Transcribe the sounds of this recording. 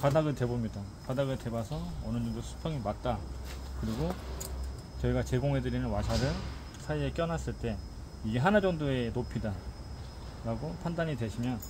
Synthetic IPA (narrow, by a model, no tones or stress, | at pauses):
padaɡɯɭte̞bomɲidapadaɡɯɭte̞basʰʌʌnɯɲd͡ʑoŋdosʰu̥pʰjʌŋimat̚t͈akɯɾiɡo | t͡ɕʌiɡat͡ɕe̞ɡoŋɦe̞dɯɾinɯnwasʰaɾɯn | sʰaiek͈jʌnas͈ɯɭt͈e̞ | iɡe̞ɦanad͡ʑʌŋdoe̞nopʰida | ɾaɡopʰandaɲidwe̞ɕʰimjʌn